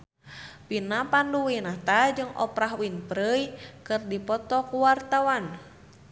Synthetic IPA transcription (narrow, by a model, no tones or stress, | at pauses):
pinapanduwinaht̪ad͡ʒɨŋʔɔ̰pɾaɦwinpɾəjkɨrdipɔt̪ɔkuwart̪awan